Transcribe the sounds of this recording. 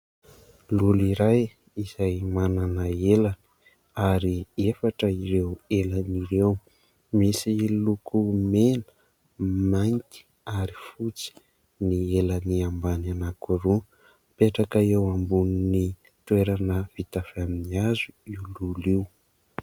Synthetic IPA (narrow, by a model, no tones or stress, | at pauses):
luliɾaj | iz̥ajmananəeləni̥ | aɾiefaʈ͡ʂəiɾeweləniɾew | misilukʰumenə̥ | majnt̪i̥ | aɾifut͡si̥ | nieləniambananakuɾu | peʈ͡ʂakəewambununi | t̪ueɾanəv̥it̪afaminiazuiwluliw